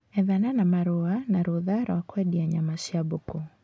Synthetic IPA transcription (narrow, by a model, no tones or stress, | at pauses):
ɛðananamaɾʊanaɾuðaɾa̰wakwɛɗiaɲamaʃabʊku